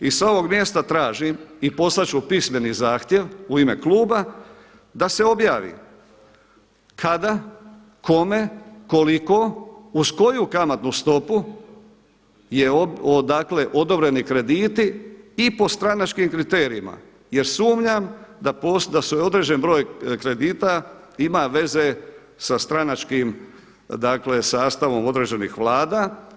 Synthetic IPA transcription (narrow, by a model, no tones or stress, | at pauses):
isao̞ʋo̞ɡmje̞ːst̪at̪ɾaːʒimipo̞slˠat͡ʃupisme̞nizaːxt̪je̞ʋuime̞̰klˠuːba | d̪ase̞o̞bjaːʋḭ | kʰad̪a | kʰo̞me̞ko̞liko̞uzko̞jukamat̪nust̪o̞pu | je̞od̪akle̞ʔo̞d̪o̞bɾe̞nikɾe̞d̪iːt̪iːpo̞st̪ɾanat͡ʃkimkɾit̪eːɾiima̰ | je̞ɾsuːmɲamd̪aposd̪asojo̞d̪ɾed͡ʒe̞nbɾo̞ːjkɾe̞d̪iːt̪a | imaʋe̞ze̞ | sast̪ɾanat͡ʃkim | d̪akle̞saːst̪aʋo̞mo̞d̪ɾe̞d͡ʒe̞nḭxʋlˠaːd̪a